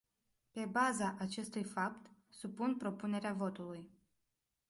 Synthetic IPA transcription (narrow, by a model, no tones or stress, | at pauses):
pe̞bazaʔat͡ʃe̞st̪ujfap̚t̪supunpɾo̞pune̞ɾeavo̞t̪uluj